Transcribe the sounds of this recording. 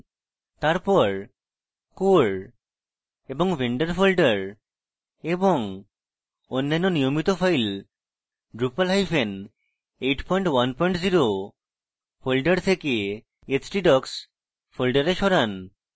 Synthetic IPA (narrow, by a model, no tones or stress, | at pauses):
t̪aɾpɔɾ | koɾ | eboŋbeɳɖeɾfolɖaɾ | eboŋ | onːanːonijomit̪ofajl | ɖɾupalɦajfʰen | ejʈpɔjɳʈwanpɔiɳʈziɾo | folɖaɾt̪ʰeke | et͡ɕʈiɖɔks | fʰolɖaɾeʃɔɾan